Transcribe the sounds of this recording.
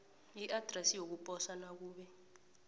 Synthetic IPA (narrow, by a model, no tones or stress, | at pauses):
jiʔad̥rɛsijok̬upʼɔsanak̬uːɓɛ